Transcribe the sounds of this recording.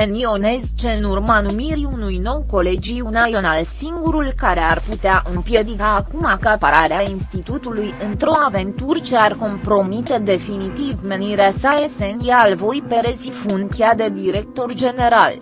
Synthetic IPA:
enio̞nezt͡ʃe̞nurmanumiɾiunujno̞wko̞le̞d͡ʒiunajonalsiŋɡuɾulkaɾe̞arput̪eaʔompje̞d̪ikaːkumakəapaɾaɾeainst̪it̪ut̪ulujɨnt̪ɾo̞ave̞nt̪urt͡ʃe̞arko̞mpɾo̞mit̪e̞d̪e̞finit̪ivme̞niɾeasae̞senijaːlvo̞jpe̞ɾezifunk̪ʲjad̪e̞d̪iɾe̞k̚t̪o̞rd͡ʒe̞ne̞ɾal

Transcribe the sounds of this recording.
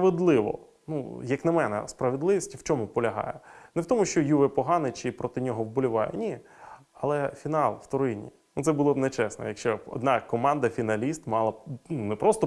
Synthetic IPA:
pɐʋed̪lˠɪʋɔ̰ | nṵjɐknɐmɛnɛ̰spɾɐʋed̪lˠɪʋʲisʲtʲiwt͡ʃɔmʊpɔlʲɐɦɑ̰jɛnɛwt̪ɔmʊʃt͡ʃɔjuʋɛpɔɦɑnɪt͡ʃɪpɾɔt̪ɪnʲɔɦɔwbʊlʲʊʋɑjɛ̰nʲi | ɐlˠɛfʲinɑlˠw̥t̪ɔɾɪnʲḭ | nut̪sɛbʊlˠɔbnɛt͡ʃɛsnɔ̰jɐkʃt͡ʃɛɔ̰d̪nɑkɔmɑnd̪ɐfʲinɐlʲist̪mɑlˠɐnunɛpɾɔst̪ɔ

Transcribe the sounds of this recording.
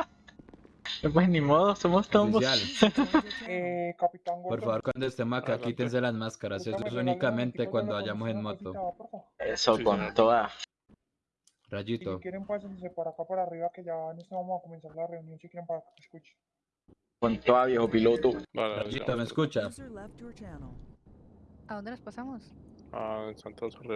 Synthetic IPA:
p̬wesnimoðosomost̪ombosjal | ekapit̪aŋɡopo̞ɾffaβo̞ɾkwand̪oest̪emosakakit̪e̞ns̬e̞lazmaskaɾasesssunikamẽ̞nt̪e̞kwand̪oaʝamosenmo̞t̪opoɾfaoɾesokont̪oða | raʝit̪okjeɾempas̬enisepaɾakapaɾariβakeʝanost̪eβamosakomensaɾlareunjonsikjeɾempaɾakaeskut͡ʃe̥ | kont̪oðaβjexopilot̪orad͡ʒit̪omeskut͡ʃalɛft͡ʃænl̩ˠ | aðond̪enospasamos | asant̪

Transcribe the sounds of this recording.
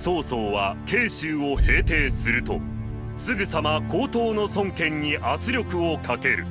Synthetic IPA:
so̞ːso̞ːβakʰe̞ːɕɨːo̞he̞ːt̪e̞ːsɨɾɯ̟t̪o̞̰ | sɨɡɯ̟samako̞ːt̪o̞ːno̞sõ̞ŋkẽ̞ɲ̟ːiʔat͡sɨɾʲo̞kɯ̟okʰake̞ɾɯ̟̰

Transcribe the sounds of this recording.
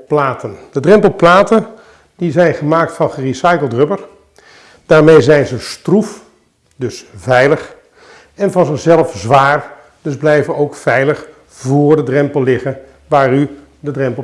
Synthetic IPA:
plaːtənd̥ədrɛmpəl̩ˠplaːtən | dizɛjnχəmaːk̚tfɑnχərisɑjkəlˠtrɵpəɹ | d̥aːɹmejzɛjnzəstruf | dɵsvɛjləχ | ɛnvɑnzɪχzɛlˠəfzʋaːr | d̥ɵzblɛjvənowkfɛjləχ | vʊːɹdədrɛmpəlˠːɪχən | ʋaːry | dədrɛmpˠ

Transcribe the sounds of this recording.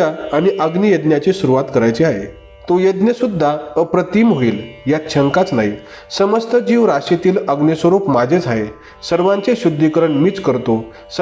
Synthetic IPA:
aːñiʔəɡnijəd̪njat͡ɕisuɾuʋat̪kəɾajt͡ɕiaɦḛ | t̪ojəd̪njəsud̪ʱːaəpɾət̪iːmɦoiːljat͡ɕʰəŋkat͡snaɦi | səməst̪əd͡ʑiːʋɾaɕet̪iːləɡnjəsʋəɾuːpmad͡zʱed͡zʱaɦe | səɾʋãɲt͡seɕud̪ʱːikəɾəɳmiːt͡skəɾt̪o | s

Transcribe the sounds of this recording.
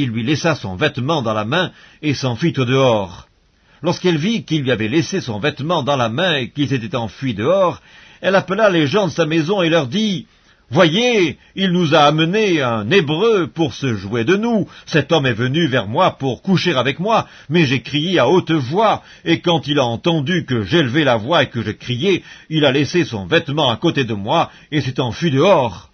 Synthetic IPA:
ilːɥilɛsasɔ̰̃vɛt̪mɑ̃d̪ɑ̃lamɛ̃esɑ̃fit̪od̪əɔʁ | lɔʁskɛlvikilɥiavɛlesesɔ̃vɛt̪mɑ̃d̪ɑ̃lamɛ̃ekilset̪ɛt̪ɑ̃fɥid̪əɔʁ | ɛlapəlaleʒɑ̃d̪əsamezɔ̃elœʁd̪i | vwaje | ilnuzaːməneɛ̃nebʁøpuʁsəʒwed̪ənusɛt̪ɔmɛvənyvɛʁmwapuʁkuʃeʁavɛkmwa | mɛʒekχijeaot̪vwa | ekɑ̃t̪ilaɑ̃t̪ɑ̃d̪ykəʒeləvelavwaekəʒəkχijɛilalesesɔ̰̃vɛt̪mɑ̃akot̪ed̪əmwa | eset̪ɑ̃fɥid̪əɔʁ

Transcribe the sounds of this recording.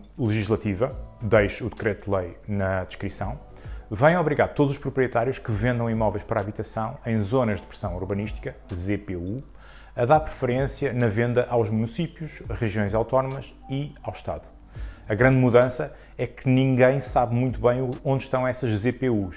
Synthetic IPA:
lˠɨʒiʒlˠɐt̪ivɐd̪ɐjʃuðɨkɾɛt̪̚d̪lˠɐjnɐd̪ɨʃkɾisɐ̃w̃ | vɐ̃j̃ɔβɾiɣaɾt̪od̪uzuʃpɾupɾiet̪aɾjuʃkɨvẽnd̪ɐ̃w̃imɔvɐjʃpɐɾaːβit̪ɐsɐ̃w̃ɐ̃j̃zonɐʒd̪ɨpɾɨ̥sɐ̃w̃uɾβɐniʃt̪i̥kɐzepeu | ɐðaɾpɾɨfɨɾẽsjɐnɐvẽnd̪ɐʔawʒmunisipjuʃʁɨʒiõj̃zawt̪ɔnumɐʃ | iawʃt̪a̰ðu | ɐɣɾɐ̃nd̪muðɐ̃sɐ | ɛkɨnĩŋɡɐ̃j̃saβmũj̃t̪uβɐ̃j̃õnd̪ʃt̪ɐ̃w̃ɛsɐʒzepeuʃ

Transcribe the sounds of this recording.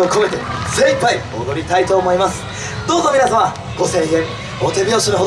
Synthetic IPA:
oko̞me̞t̪e̞zẽ̞mpːaiod̪o̞ɾʲit̪ait̪o̞ːmo̞imasɨ̥ | d̪oːzomʲinazaβa | ɡ̥o̞sẽ̞ŋẽ̞ŋ | ot̪e̞bʲjo̞ːɕinoɦo

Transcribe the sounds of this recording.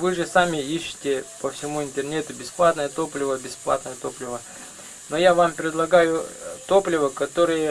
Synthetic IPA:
vɨʐɨsamʲɪiɕːɪ̥tʲɪpəfsʲɪmuɪnt̪ʲɪrnʲet̪ʊbʲɪsplˠat̪nəjət̪o̞plʲɪvəbʲɪsplˠa̰t̪nəjət̪oplʲɪvə | no̞javampɾʲɪd̪lˠɐɡajʊt̪o̞plʲɪvəkɐt̪o̞ɾɨjə

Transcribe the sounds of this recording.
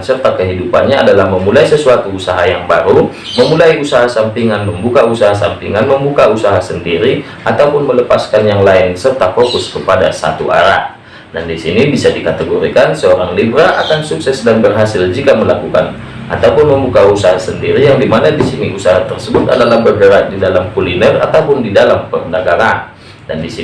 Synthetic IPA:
nsərt̪akəɦidupanɲaadalahməmulaisəsuat̪uːsaɦajaŋbaɾu | məmulaiusaɦasampiŋanməmbukausaɦasa̰mpḭŋanməmbukausaɦasəndiɾi | at̪awpʊnmələpaskanjaŋlaɪnsərt̪afokʊskəpada̰sa̰t̪ṵʔa̰ɾa̰ | dandisinibisadikat̪əɡoɾikansəoɾaŋlibɾaʔa̰kansuksɛsdanbərɦasɪld͡ʒikaməlakuka̰n | a̰t̪aupʊnməmbukausaɦasəndiɾijaŋdimanadisiniʔusaɦat̪ərsəbʊt̪a̰dalahbərɡəɾat̪̚didalamkulinɛra̰t̪awpʊndidalampərnəɡaɾan | da̰ndisi

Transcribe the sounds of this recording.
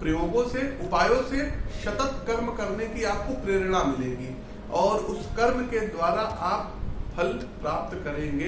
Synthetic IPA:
pɾɪjoːɡõseʊpaːjõseʃɐt̪ət̪kəɾmkɐɾnekiaːp̚kopɾeːɾɽ̃amɪlẽːɡiː | ɔːɾʊskəɾmked̪waːɾaʔaːp̚pʰɐlpɾaːp̚t̪kɐɾẽːŋɡeː

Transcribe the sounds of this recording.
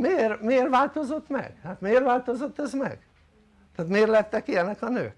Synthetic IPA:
meeːrmieːrʋaːlt̪o̞zo̞t̪mɛ̰ɡ̥haːt̪meːrvaːlt̪ozot̪ːɛzmɛ̰ɡ̥ | t̪ɛːt̪meːrlɛt̪ːɛkiɛnːɛkɒnø̰ːk

